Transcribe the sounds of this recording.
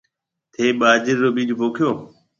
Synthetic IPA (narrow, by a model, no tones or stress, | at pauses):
t̪ʰeːɓaːd͡ʒɪɾːoːɓiːd͡ʒoboːkʰjoː